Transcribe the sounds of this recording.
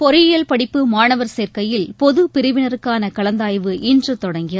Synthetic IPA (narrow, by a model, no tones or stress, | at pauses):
pɔɾɪjɐlpɐɽɪpːɯmaːɳɐʋɐɾseːrkɐjɪlpɔðɯpɪɾɯʋɪnɐɾɯkːaːnɐkɐlɐnd̪aːjʋɯʔɪndrɯt̪ːɔɽɐŋɡɪɐ